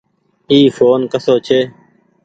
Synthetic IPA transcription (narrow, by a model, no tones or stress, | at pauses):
iːfoːnkəsoːt͡ʃʰeː